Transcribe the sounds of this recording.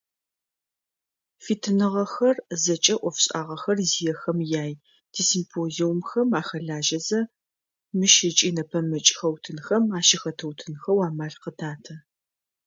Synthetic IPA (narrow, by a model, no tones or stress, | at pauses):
fiːtʰɨnɨʁɐxɐrzɐt͡ʃʼɐʔʷɔfɕʼaːʁɐxɐrzijɛxɐmjaːj | tʰisimpʰoːziwʊmxɐmaːxɐɮaːʒɐzɐ | mɨʃɪt͡ʃʼiːnɐpʰɐmɐt͡ʃʼxɐwtʰɨnxɐmaːʃɪxɐtʰɐwtʰɨnxɐwaːmaːɬqətʰaːtʰɐ